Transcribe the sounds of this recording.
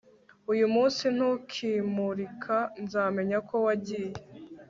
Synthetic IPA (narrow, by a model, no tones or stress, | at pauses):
ujumuːnsin̥hukʰiːmuɾikʰanzaːme̞ɲako̞waɟiːje